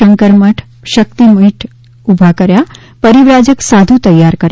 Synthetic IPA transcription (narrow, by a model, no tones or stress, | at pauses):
əŋkəɾməʈʰ | ʃəkt̪imuɦiʈ | ubʱakəɾja | pəɾiʋɾad͡ʒəksad̪ʱut̪əjːaɾkəɾ